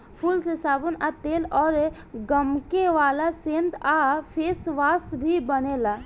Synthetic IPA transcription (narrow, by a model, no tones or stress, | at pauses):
pʰuːlsesaːbunat̪eːlɔːɾ | ɡəmkeʋaːlasẽːnt̪apʰeːsʋaːsbʱibənelaː